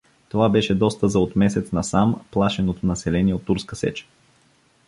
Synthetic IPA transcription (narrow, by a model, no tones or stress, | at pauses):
t̪ovabɛʃɛd̪ɔst̪əzɐot̪mɛsɛt̪snɐsamplˠaʃɛnot̪nɐsɛlɛniɛot̪ːuɾskəsɛ̰t͡ʃə̥